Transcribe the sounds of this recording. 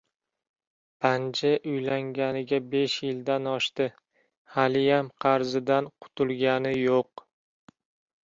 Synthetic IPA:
pʰand͡ʒɪʔʊjlaŋɡʲanɪɡʲabe̞ʃjɪld̪anɒʃt̪ɪ | halɪjamqʰɑɾzɪd̪anqʰʊ̥t̪ʰʊlˠɡʲanɪjoq̚

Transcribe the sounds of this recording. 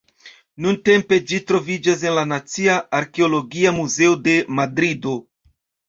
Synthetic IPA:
nunte̞mpe̞d͡ʒitɾo̞vid͡ʒas̬e̞nlanat͡siaaɾkeolo̞ɡiamuze̞ode̞madɾido̞

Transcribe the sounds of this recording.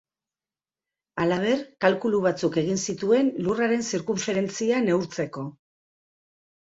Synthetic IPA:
alaβ̞e̞ɾkalkuluβ̞at͡suke̞ɣ̞insit̪ue̞nluraɾe̞nsiɾkumfeɾe̞nt͡siane̞uɾt͡se̞ko̞

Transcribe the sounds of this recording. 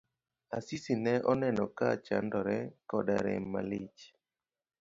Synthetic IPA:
asisinɛʔɔnɛnɔkat͡ʃa̰ndɔɾɛkɔda̰ɾɛ̰mːalɪt͡ʃ

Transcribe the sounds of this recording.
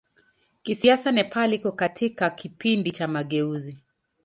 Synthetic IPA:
kisiasanɛpʰalikɔkatʰikakipindit͡ʃamaɠɛuzi

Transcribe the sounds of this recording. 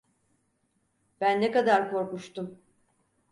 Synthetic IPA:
b̥ænːekad̪aɾkʰo̞ɾkuʃt̪um

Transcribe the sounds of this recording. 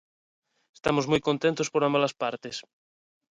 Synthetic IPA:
est̪amozmujkont̪ent̪ospoɾãmbalaspaɾt̪es

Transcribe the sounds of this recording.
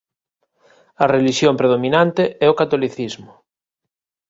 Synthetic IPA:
ɐreliʃjompɾeðomĩnant̪eɛokat̪oliθizmʊ

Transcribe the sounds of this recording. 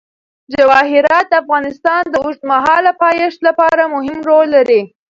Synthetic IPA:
d͡ʒawɑɦɪɾɑt̪̚d̪əafɣɑnɪst̪ɑnd̪əʊʐd̪maɦɑlapɑjeʂt̪lapɑɾamʊɦɪmɾolːaɾi

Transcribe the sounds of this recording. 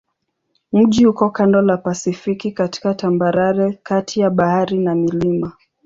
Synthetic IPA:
m̩ʄihukɔkandɔlapasifikikati̥katambaɾaɾɛkatʰijaɓahaɾinamilima

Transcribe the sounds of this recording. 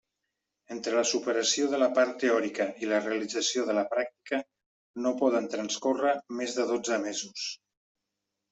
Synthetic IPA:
ent̪ɾələsupəɾəsioðələpaɾt̪ːeɔɾikəʔiləreəlid͡zəsioðələpɾak̚t̪i̥kə | nopɔðənt̪ɾənskorəmezðəðod͡zəmezus

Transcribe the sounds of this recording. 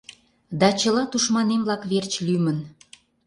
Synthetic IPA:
d̪ɑt͡ɕəlɑt̪uʃmɑnemlɑkβert͡ɕlymən

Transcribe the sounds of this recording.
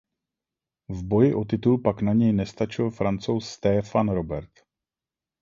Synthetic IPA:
vbo̞jɪʔot̪ɪt̪ulpaknaɲɛjnɛst̪at͡ʃɪlfɾant͡so̞wsːt̪ɛːfanɾo̞bɛɾt̪

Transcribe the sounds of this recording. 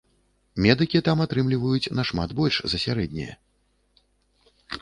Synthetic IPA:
mʲɛd̪ɨkʲit̪amat̪ɾɨmlʲivɐjut͡sʲnɐʂma̰t̪bɔlʲʂzɐsʲaɾɛd̪ʲnʲɛ̰jɛ̰

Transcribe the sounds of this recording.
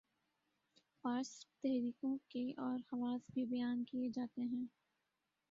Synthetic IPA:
paːst̪ɛɦɾiːkõkeʔɔːɾhɐʋaːsbʱibɐjaːnkijed͡ʒaːt̪eɦɛ̃ː

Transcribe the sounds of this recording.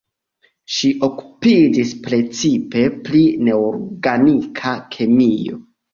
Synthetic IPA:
ʃiʔo̞ku̥pid͡ʒispɾe̞t͡sipe̞pline̞oɾɡanikʰakʰemijo̞̰

